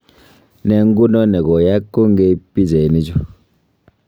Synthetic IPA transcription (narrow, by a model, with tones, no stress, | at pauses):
nɛ˨ŋ˦ɡu˦nɔ˦nɛ˨ɡɔ˨ja˦kːo˦ŋ˦ɡe˦pi˦ze˨ni˦d͡ʒu˦